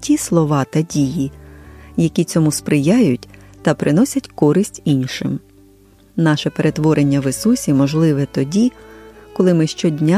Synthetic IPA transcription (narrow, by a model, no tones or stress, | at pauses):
tʲislˠɔʋɑt̪ɐdʲiji | jɐkʲit͡sʲɔmuspɾɪjɑjʊtʲt̪ɐpɾɪnɔsʲɐtʲkɔɾɪsʲtʲinʲʃɪm | nɑʃɛpe̞ɾʔe̞t̪ʋɔɾenʲːɐʋɪsusʲimɔʒlˠɪʋɛt̪ɔdʲikɔlˠɪmɪʃt͡ʃɔdʲnʲa